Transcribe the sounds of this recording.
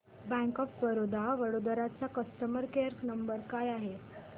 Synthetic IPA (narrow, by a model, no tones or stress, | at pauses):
bɛ̃kɔfʋəɾod̪ʱaʋəɽod̪əɾat͡sakəst̪əməɾkeɾnəmbəɾkajaɦe